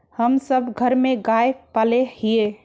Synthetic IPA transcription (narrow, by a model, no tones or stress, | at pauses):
həmsəbɡʱəɾmeɡaepalehie